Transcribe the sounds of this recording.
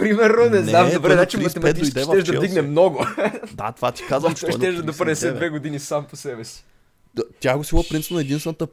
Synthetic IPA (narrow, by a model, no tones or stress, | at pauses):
pɾimɛɾnonɛzamd̪obɾɛd̪at͡ʃɛmɐt̪ɛmɐisd̪ɛʃɛʒd̪ɐd̪iɡnɛmnɔɡʊd̪a̰t̪ovat̪i̥kazʃɛʒd̪ɐd̪opɾd̪ɛsɛd̪vɛɡod̪inisamposɛbɛsi̥ | t̪ʲjaɡosilˠɐpɾinpnɐɛd̪inst̪vɛnət̪ə